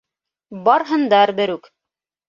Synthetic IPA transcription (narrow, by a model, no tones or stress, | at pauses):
bɑɾɦɤ̆nd̪ɑɾbɘ̆ɾʉk